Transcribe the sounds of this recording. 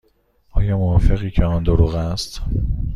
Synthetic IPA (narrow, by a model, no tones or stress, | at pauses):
ʔɒːjɒːmovɒːfe̞ɣiːcʰeɒnd̪oɾuːɣæst̪